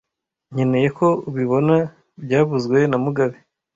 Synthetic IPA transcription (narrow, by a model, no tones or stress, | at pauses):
ɲene̞je̞ko̞uβiβo̞na | bɟaːβuzɡwe̞namuɡaβe